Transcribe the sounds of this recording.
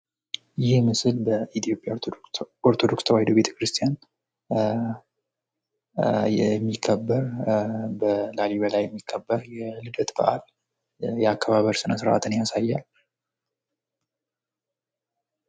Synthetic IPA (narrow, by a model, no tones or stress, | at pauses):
jɪhmɨsɨlbəʔit̪ʰijo̞pʼja | oɾt̪ʰo̞d̪o̞kst̪ʰəwahid̪o̞βbe̞t̪ʰə̥kɾɨst̪ʰijan | jɛmːikʰːəbːəɾbəlaliβəlajːɛmːikʰːəbːəɾjɛlɨd̪ət̪bə̰ʔal | jɛakːəβaβəɾsɨnəsɨɾʔa̰t̪ʰɨnjasajːal